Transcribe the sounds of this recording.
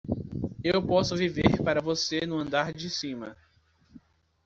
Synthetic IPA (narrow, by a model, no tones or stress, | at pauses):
ewpɔsʊviveɾpaɾɐvosenʊ̃ɐ̃nd̪aɾd͡ʒɪsĩmɐ